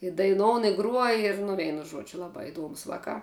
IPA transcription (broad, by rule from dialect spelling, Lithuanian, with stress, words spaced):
ɪ dɐɪˈnoːʊn ɪ ɡruɔj ɪr nʊ ˈʋʲɛɪnʊ ˈʒuɔd͡ʒʲʊ ˈlˠɑːbɑː ɪˈduɔmʊs ˈʋɑːkɑː